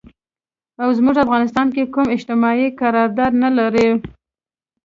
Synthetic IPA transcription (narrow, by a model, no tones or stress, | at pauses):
awzmuʐafɣɑnɪst̪ɑnk̬ekumɪʃt̪ɪmɑikaɾɑɾd̪ɑd̪nalaɾi